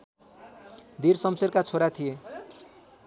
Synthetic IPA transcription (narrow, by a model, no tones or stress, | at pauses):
d̪iɾsʌmserkat͡sʰoɾat̪ʰije